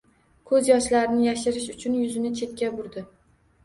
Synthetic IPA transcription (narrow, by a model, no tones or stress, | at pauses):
kʰɵzjɒʃlaɾɪnɪjaʃɪɾɪʃʊt͡ʃʰʊnjʊzɪnɪt͡ʃʰe̞t̪̚kʲabʊɾd̪ɪ